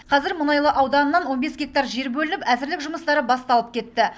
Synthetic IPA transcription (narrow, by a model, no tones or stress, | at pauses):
qʰɑzɪɾmʊnɑjlˠəʔɑwd̪ɑnənːɑnwo̞nbe̞sɡʲe̞k̚t̪ɑɾʒe̞ɾbɵlɪnɪpæzɪɾlɪkʒʊməst̪ɑɾəbɑst̪ɑlˠəp̚kʲe̞t̪ːɪ